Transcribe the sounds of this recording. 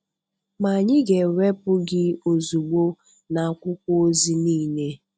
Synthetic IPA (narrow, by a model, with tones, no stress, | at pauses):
ma˨ɲɪ˦ɡe˨ɾe˦pʊ˦ɡɪ˦o˨zu˨ɡ͡bo˦ | na˨a˦kʷʊ˦kʷʊ˦o˦zi˦niː˦˨ne˦